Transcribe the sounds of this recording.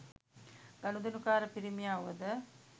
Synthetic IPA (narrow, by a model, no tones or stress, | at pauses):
ɡ̥anud̪enukaːɾəpiɾimijaːʋəd̪ə